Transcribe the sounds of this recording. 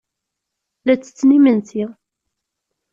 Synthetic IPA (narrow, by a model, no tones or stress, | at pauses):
læt͡sːə̥t͡sːnimənt̪iʁ